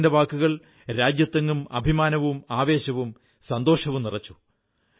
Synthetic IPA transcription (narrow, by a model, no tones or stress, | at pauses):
ndeʋaːkːuɣɐɭ | ɾaːd͡ʑjɐt̪ːɐŋɡumɐ̰bʱimaːnɐʋumaːʋe̞ːɕɐʋum | sɐnd̪o̞ːʂɐʋumnirɐt͡ɕːu̥